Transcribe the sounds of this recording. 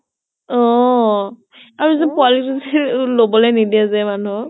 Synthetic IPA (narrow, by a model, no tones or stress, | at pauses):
ɔ | aɹuzɛpʊalituzlobɔlejnidiazɛmanʊ